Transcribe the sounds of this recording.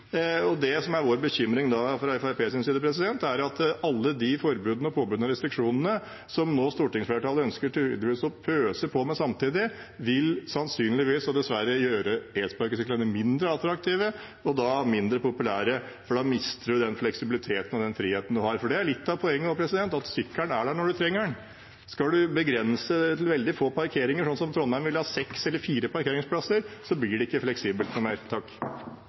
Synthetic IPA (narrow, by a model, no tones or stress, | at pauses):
ɔd̪ɛsɔmæɾʋoːɾbəçʏmɾɪŋd̪ɑfɾɑɛfæɾpʰeːsɪnsiːd̪əpʰɾɛsɪd̪ɛnt̪æɾɑt̪ɑlːəd̪ɪfɔɾbʉːd̪nɔpʰoːbʉːd̪nɑɾɛst̪ɾɪkʂuːnnə | sɔmnoːst̪uːʈɪŋsfleːʈʰɑːləœnskəʈɪl̰ːd̪ɪʋiːsɔpʰøːsəpʰɔmɛsɑmt̪iːd̪ɪ | ʋɪlsɑnsyːnlɪʋiːsɔd̪ɛsʋæɾəjøːɾəeːt̪spɑɾkəsɪklənəmɪnd̪ɾəɑlt̪ɾɑk̚t̪ʰiːʋə | ɔd̪ɑmɪnd̪ɾəpʊpʉlæːɾə | fɔɖɑmɪst̪əɖʉd̪ɛnflɛksɪbɪlɪt̪ʰeːt̪ənɔʋd̪ɛnfɾiːheːt̪ən̩d̪ʉhɑɾfɔɖɛæɭɪt̪ːɑʋpʰɔɛŋːəɔpʰɾɛsɪd̪ɛnt̪ɑt̪st̪ʏkːəɳæɖæɳɔɖʉt̪ʰɾɛŋːəɳ | skɑd̪ʉbəɡɾɛnsət̪ʰɪlʋɛld̪ɪfoːpʰɑɾkʰeːɾɪŋəʂɔnsɔmt̪ʰɾɔnmæɪnʋɪlhɑːsɛksɛlːəɾfiːɾəpɑɾkʰeːɾɪŋspʰlɑsəɾsɔblɪɖɛɪkːəflɛksiːbəlt̪nʊmeːɾt̪ʰɑkː